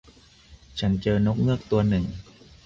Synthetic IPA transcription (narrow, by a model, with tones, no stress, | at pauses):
t͡ɕʰa˦˥nt͡ɕɤː˧no˦˥k̚ŋɯ˥˩ək̚t̪u˧ɐnɯ˨˩ŋ